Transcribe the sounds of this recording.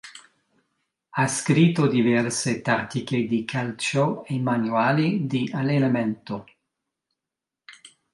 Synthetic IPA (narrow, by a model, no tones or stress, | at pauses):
askɾit̪ːod̪ivɛrset̪at̪iked̪ikʰalt͡ʃoemanwaːlid̪ialelamɛnt̪o